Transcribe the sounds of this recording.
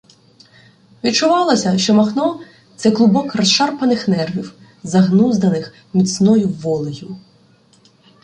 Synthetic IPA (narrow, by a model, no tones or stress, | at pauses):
ʋʲid̪̚t͡ʃʊʋɑlˠɐsʲɐʃt͡ʃɔmɐxnɔ | t̪sɛklˠʊbɔkrɐsʃɑrpɐnɪxnɛrʋʲiw | zɐɦnuzd̪ɐnɪx | mʲit̪snɔjʊʋːɔlˠɪjʊ